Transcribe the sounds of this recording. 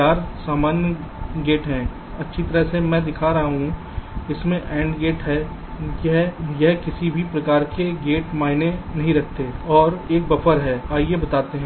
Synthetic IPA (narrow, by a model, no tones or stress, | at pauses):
aːɾsaːmaːnjəɡeːʈɦɛ̃ː | ɐtːʃʰit̪ɐɾəɦsemɛ̃ːd̪ɪkʰaɾɐɦaɦũ | ɪsmẽʔɛ̃ːɳɖɡeːʈɦɛ | jɐɦjɐɦkɪsibʱipɾɐkaːɾkeɡeːʈmaːɪnenɐɦĩɾɐkʰt̪eɔːɾeːk̚bɐfʰəɾɦɛːaːiebɐt̪aːt̪eɦɛ̃ː